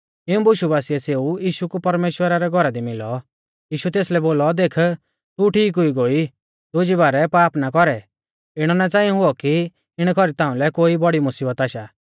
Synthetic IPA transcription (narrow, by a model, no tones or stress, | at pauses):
ɪũbʊʃubaːsiɛseːujiːʃukupɐɾmeːʃwəɾaɾɛɡʱɔɾad̪imɪlɔ | jiːʃut̪eːslɛboːlɔd̪eːkʰ | t̪uʈʰiːkɦʊiɡoːi | d̪od͡ʒiβaːɾɛpaːpnakɔɾɛ | ɪɽ̃ɔnat͡saːĩɔ̃ɦʊɔki | ɪɽ̃kʰɔɾit̪ãːʊ̃lɛkoːibɔɽimʊsiːbət̪aːʃaː